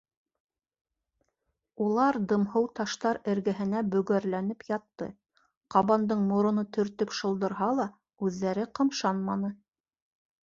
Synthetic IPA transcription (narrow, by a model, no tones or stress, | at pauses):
ulˠɑɾd̪ɤ̆mhɤwt̪ɑʃt̪ɑɾɘ̆ɾɡæɦɘ̆næbɵ̆ɡæɾlænɘpjɑt̪ːɤ̰ | qɑβɑnd̪ɤɴmŏɾŏnɤt̪ʰɵ̆ɾt̪ɵpʃɤ̆lˠd̪ɤ̆ɾɦɑlˠɑ | ʉðːæɾɘqɤ̆mʃɑnmɑnɤ